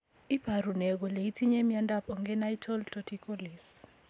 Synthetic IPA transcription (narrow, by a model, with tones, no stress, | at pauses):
i˦b̥ʱa˨ɾu˨nɛ˨k̬ɔ˨le˨i˦tʰi˦ɲɛ˦mjanda˦pʰɔ˨ŋɡɛ˦na˦itʰɔ˦ltʰɔtʰikʰɔ˦li˨s